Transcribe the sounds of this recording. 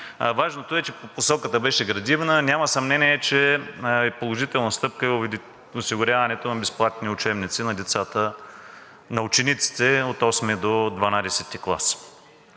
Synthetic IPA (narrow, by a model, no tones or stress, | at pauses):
vaʒnot̪oɛt͡ʃɛposɔkət̪əbɛʃɛɡɾɐd̪ivnənʲjamɐəsɐmnɛniɛt͡ʃɛɛpolˠoʒit̪ɛlˠnɐst̪ɤpkəɛ | ʊsiɡʊɾʲjavɐnɛt̪onɐbɛsplˠat̪niʊt͡ʃɛmnit̪sinɐd̪ɛt̪sat̪ə | nɐʊt͡ʃɛnit̪si̥t̪ɛot̪ɔsmɛd̪od̪vɐnad̪ɛsɛt̪ːiklˠa̰s